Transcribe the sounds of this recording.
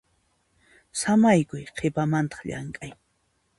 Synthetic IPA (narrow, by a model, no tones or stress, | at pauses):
samajkʊjqʰepamant̪ɑ̥χʎa̰ŋkʼaj